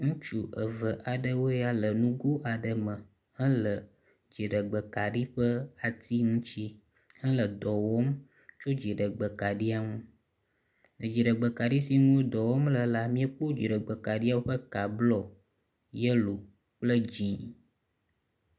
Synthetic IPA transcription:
ŋũ˦t͡ʃu˨ʔə˨və˨ʔa˨ɖə˦wo˦ja˦lə˨nũ˦ɡo˦ʔa˨ɖə˨mə̃˨ | hə̃˦lə˨ | d͡ʒi˨ɖə˨ɡ͡bə˨ka˨ɖi˦ɸə˦a˨t̪i˦ŋũ˦t͡ɕi˦ | hə̃˦lə˨d̪ɔ˨wɔ˦m | t͡ʃo˦d͡ʒi˨ɖə˨ɡ͡bə˨ka˨ɖi˦a˦ŋũ˦ | nə˨d͡ʒi˨ɖə˨ɡ͡bə˨ka˨ɖi˦si˦nũ˦o˦d̪ɔ˨wɔ˦mlə˨la˨mĩ˦ə˦k͡po˦d͡ʒi˨ɖə˨ɡ͡bə˨ka˨ɖi˦a˦wo˦ɸə˦ka˨blɔ˦ | jə˦lo˨ | k͡plə˦d͡ʒĩ˨

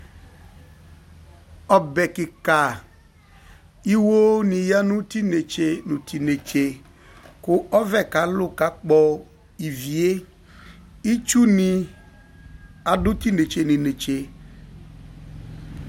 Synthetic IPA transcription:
ɔ˨bɛ˨kɪ˨ka˨ | i˦wo˦nĩ˨ja˦nũ˦ti˦ne˨t͡ʃe˦nũ˨ti˨ne˨t͡ʃe˨ | kʊ˦ɔ˦vɛ˦˨ka˨˦lʊ˦ka˨˦k͡pɔ˨ | i˨vi˨e˦ | i˦t͡ʃu˦nĩ˨ | a˨dʊ˦ti˦ne˨t͡ʃe˨nĩ˨ne˨t͡ʃe˨

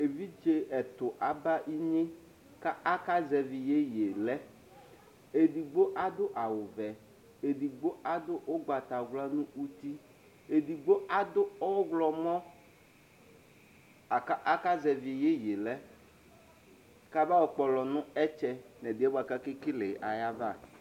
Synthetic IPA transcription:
e˨vi˦d͡ʒe˦ɛ˨t̪ʊ˨ʔa˨ba˦ʔi˦ɲẽ˦ | ka˦a˦ka˦zɛ˨vi˨je˦je˨lɛ˦ | e˨di˨ɡ͡bo˦ʔa˦d̪ʊ˦ʔa˨wʊ˨vɛ˨ | e˨di˨ɡ͡bo˦a˦d̪ʊ˦ʔo˦ɡ͡ba˨t̪a˨ɣla˦nũ˦u˦t̪i˦ | e˨d̪i˨ɡ͡bo˦a˦d̪ʊ˦ɔ˦ɣlɔ˨mɔ̃˦ | a˨ka˦ʔa˦ka˦zɛ˨vi˨je˦je˨lɛ˦ | ka˦ba˦wɔ˦k͡pɔ˨lɔ˨nʊ̃˦ɛ˦t͡ʃɛ˦nɛ˨d̪i˨˦ɛ˦bo˦a˨ka˦ke˦ki˦le˨ʔa˨ja˦va˦˨

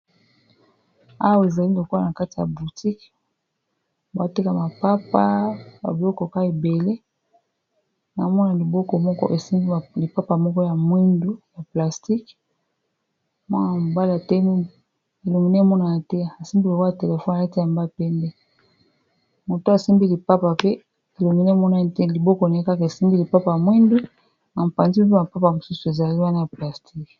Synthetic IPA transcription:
a˦wwe˨za˨li˦lo˨kɔ˦a˦˨na˨ka˦ti˨ja̰˨bu˨ti˦k | ba˨ti˦ka˨ma˨pa˦pa˦ba̰˨bɔ˦kɔ˨ka˦e˨be˨le˦ | na˨mɔ˦na˨li˨bɔ˦kɔ˨mɔ˦kɔ̰˦ʔe˨si˦mbi˦˨li˨pa˦pa˨mɔ˦kɔ˦ja˨mwi˦ndo˦ja˨pla˨sti˦k | mwa˦n˦˨a˨m˨ba˦la˨tɛ˦mi˦n˨ | e˨lo˨mi˨ne˦mɔ˦na˨a˨tɛ˦˨a˨si˦mbi˦la˨ka˨te˨le˨fɔ˦na˨a˦ti˦ja˨mba˦˨pɛ˦ndɛ˦ | mo˨to˦a˨si˦mbi˦li˨pa˦pa˨pe˦ | e˨lo˨mi˨ne˦mɔ˦na˦tli˨bɔ˦kɔ˦na˨˦i˦ka˦ke˨si˦mbi˦li˨pa˦pa˨ja˨mwi˦ndo˦ | na˨m˨pa˨nzi˦p̬i˦ma˨pa˦pa˨mo˨su˦su˨e˨za˨li˦wa˦na˦ja˨pla˨stʰi˦k

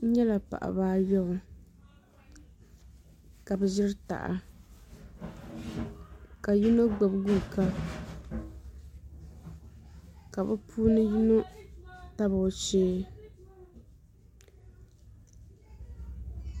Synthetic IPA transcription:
ɲɛ˦la˨pa̰˨ʔa̰˨baː˦jɔ˦bʊ˨ | ka˨bɛ˨zɪ˦ɾta̰˨ʔa̰˨ | ka˨ji˦no˦ɡ͡bo˨bɡu˦˨ka˦ | ka˨bɛ˦pʰuː˦nɨ˦ji˦no˦ta˦bʊ˨t͡ʃeː˦

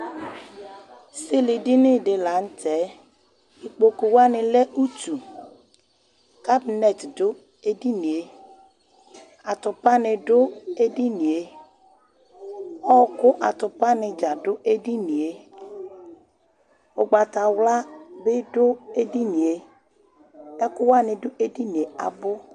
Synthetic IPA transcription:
se˦le˨ɖi˦nɪ̃˦ɖe˨la˨˦ŋ̩˦tɛ˨˦ | i˨k͡po˨ko˨wa˦nɪ˨le˦ʔu˦tu˨ | ka˦bi˨nɛ˨t̪do˦ | e˦di˦nĩ˨e˦ | a˨t̪ʊ˨pa˦nɪ̃˨ɖʊ˦e˦di˦nĩ˨e˦ | ɔ˦kʊ˦ʔa˨t̪ʊ˨pa˦nɪ˨d͡ʒa˨ɖʊ˦ʔe˦di˦nĩ˨e˦ | wo˨ɡ͡ba˨t̪a˨wla˦be˦ɖʊ˦e˦di˦nĩ˨e˨ | ɛ˦kʊ˦wa˦nɪ̃˨ɖʊ˦ʔe˦di˦nĩ˨e˨a̰˨bʊ˦

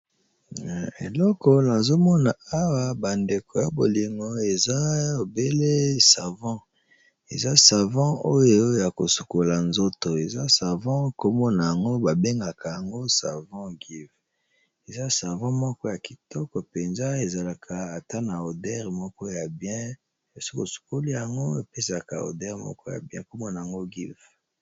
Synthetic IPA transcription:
n˨ḛ˨lɔ˦kɔ˨na˨zo˦mɔ˦na˨a˦wa˦ba˨nde˨kʰo˨ja˨bo˨li˨ŋɡo˦e˨za˦o˨be˦le˦sa˨vɑ̃˦ | e˨za˦sa˨vɑ̃˦o˦jo˨˦ja˨ko˨su̥˨ko˨la˨nzo˦to˨e˨za˦sa˨vɑ̃˦ko˦mɔ˦na˨ja˨ŋɡo˦ba˨be˦ŋɡa˨kʰa˨ja˨ŋɡo˦sa˨vɑ̃˦ɡi˦v | e˨za˦sa˨vɑ̃˦mɔ˦kɔ˦ja˨ki˨tɔ˦kɔ˨pe˨nza˦e˨za˨la˨kʰa˨a˨ta˦na˨o˨dɛ˦ʁmɔ˦kɔ˦ja˨bjɛ̃˦ | e˨si̥˦ko˨su̥˨ko˦li˦ja˨ŋɡo˦e˨pe˦sa˨ka̰˨o̰˨dɛ˦ʁmɔ̰˦kɔ˦ja̰˨bjɛ̃˦ko˦mɔ˦na˨ja˨ŋɡo˦ɡi˦v

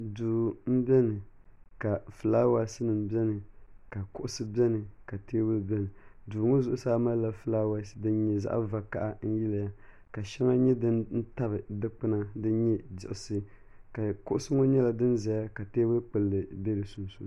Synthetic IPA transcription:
duː˨m̩˦bʲɛ˦nɨ˨ka˨fɨ˨laː˦wa˦sɨ˦nɨ˨m˦bɛ˦nɨ˨ka˨kʊ˦ʔʊ˦sɨ˦bɛ˦nɨ˨ka˨teː˦wɨ˦lbʲɛ˦nɨ˨duː˨ŋo˦zʊ˦ʔʊ˦saː˦ma˦lla˦fɨ˦laː˦wa˦sdɨ˦n˦ɲɛ˦za̰˦ʔa̰˦va˨ka̰˨ʔa˦n̩˦ji˦la˨ja˦ | ka˨ʃɛ˦ŋa˦ɲɛ˦dɨ˦nn̩˦ta˦bɨ˨dɨ˦k͡pɨ˦na˦dɨ˦ɲɛ˦dɪ̰˨ʔɪ˨sɨ˦ | ka˨kʊ˦ʔʊ˦sɨ˦ŋo˦ɲɛ˦la˨dɨ˦nza˨ja˦ka˨teː˦wʊ˦k͡pɨ˨lːɨ˨be˦lɨ˨su˨n˨su˨

